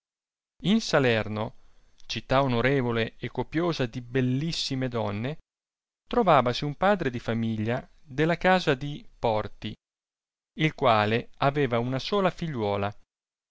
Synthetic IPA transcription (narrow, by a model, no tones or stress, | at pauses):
insalɛrno | t͡ʃit̪ːaonoɾeːvoleekːopjoːzad̪ibelːisːimed̪ɔnːe | t̪ɾovaːvasiumpaːd̪ɾed̪ifamiʎːad̪elːakaːzad̪ipɔrt̪i | ilkwaːleaveːvaunasoːlafiʎːwɔːla